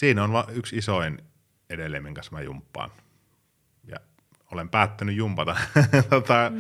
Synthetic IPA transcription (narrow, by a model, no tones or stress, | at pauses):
siːnonʋɑʔyksisoin | edelːˑeimːeŋkɑsmæjumpːɑ̰ːn | jɑ̰ | olempæːt̪ːænyjumpɑt̪ɑt̪ot̪ɑ